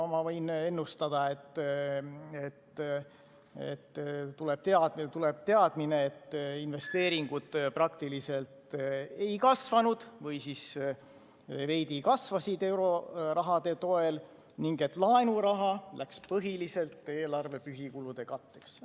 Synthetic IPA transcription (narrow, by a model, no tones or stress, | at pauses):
mɑvɤjne̞nːust̪ɑd̪̥ɑe̞t̪ː | et̪ | ḛt̪ːt̪ːule̞b̥̚t̪eɑd̪t̪ule̞b̥̚t̪e̞ɑd̪̥mine̞et̪ːinve̞st̪e̞ːɾiŋɡ̥ud̪̥prɑkt̪ilise̞lt̪ejkɑsvɑnud̪̥vɤjsis | ve̞jd̪̥ikɑsvɑsid̪e̞wɾo̞rɑɦɑd̪̥e̞t̪o̞e̞l | niŋɡ̥e̞t̪ːˑlɑenuɾɑɦɑlækspɤɦilise̞lt̪ːˑe̞ːlɑrve̞pysikulud̪̥e̞kɑt̪ːe̞ks